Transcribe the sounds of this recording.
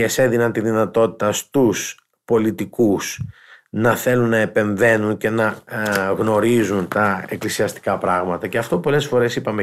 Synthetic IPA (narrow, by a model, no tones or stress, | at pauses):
eseðinɐnt̪iðinɐt̪o̞t̪i̥t̪ɐst̪us | po̞lit̪ikus | nɐθe̞lunːɐe̞pe̞ɱve̞nunce̞nɐɣno̞ɾizunt̪ɐe̞klisiɐst̪i̥kɐpɾɐɣmɐt̪ɐceɐft̪o̞po̞le̞sfo̞ɾe̞sipɐme